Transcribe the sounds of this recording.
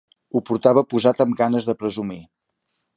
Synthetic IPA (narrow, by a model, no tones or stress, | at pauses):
upuɾt̪aβəpuzat̪əmɡanəzðəpɾəzumi